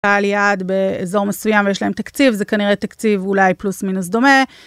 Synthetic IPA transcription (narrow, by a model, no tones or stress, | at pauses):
aljad̪be̞ezo̞ʁmesujamvejeʃlaemt̪akt͡sivzekaniʁet̪akt͡sivulajplusminus̬d̪o̞me̞